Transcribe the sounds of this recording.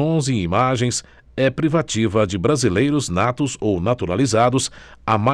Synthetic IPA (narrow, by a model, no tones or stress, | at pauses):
õziimaʒẽj̃s | ɛpɾivat͡ʃivɐd͡ʒɪbɾazilejɾʊznat̪ʊzownat̪uɾalizad̪ʊsama